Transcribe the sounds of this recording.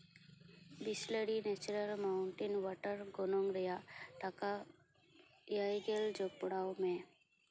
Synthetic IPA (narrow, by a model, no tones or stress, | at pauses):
bisləɽinet͡ʃɾəɾmaʊɳʈinʋaʈəɾɡonoŋɡɾəjaʈaka | jajɡeld͡ʒok̚pʊɽaːomẽ